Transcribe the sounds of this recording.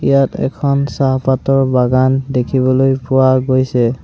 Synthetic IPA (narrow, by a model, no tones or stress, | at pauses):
ijatɛ̰kʰɔnsaɦpatɔɹbaɡandekʰiβɔlojpʊwaɡojsɛ